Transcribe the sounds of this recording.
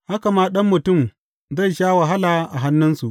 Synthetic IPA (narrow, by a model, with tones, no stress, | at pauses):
ha˦ka˨maː˦ɗɐ˦mːʊ˨tʊ˦˨m | za˦˨jʃaː˦wa˨ɦa˦laː˨ʔa˨ɦa˦nːʊ˦nsu˨ʔ